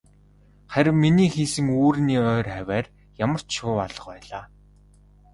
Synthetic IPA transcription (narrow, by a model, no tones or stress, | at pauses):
χæɾʲɪ̆mmːiniːxiːsɘ̆ŋuːɾniːœːræwʲæːr | jamə̆r̥t͡ɕʃʊːpaɮə̆qpæːɮaː